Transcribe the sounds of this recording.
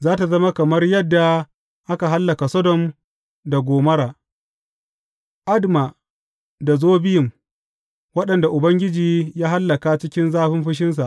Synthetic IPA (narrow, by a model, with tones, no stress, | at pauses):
zaː˦ta˨zɐ˦ma˦kɐ˨mɐ˦rjɐ˦dːa˨ | ʔa˦ka˨ɦa˦lːɐ˨ka˨sɔ˦dɔ˨m | da˨ɡʷoː˨mɐ˦ɾaː˨ | ʔa˦dma˨ | da˨zoː˦bɪ˦jɪ˨m | wɐ˦ɗɐ˨nda˨ʔʊ˨bɐ˦ŋɡʲɪ˦d͡ʒiː˨jaː˦ɦa˦lːɐ˨ka˦t͡ʃɪ˦kʲɪ˦nzaː˦ɸɪ˦mɸɪ˦ʃ̬ɪ˦ns̬a˨ʔ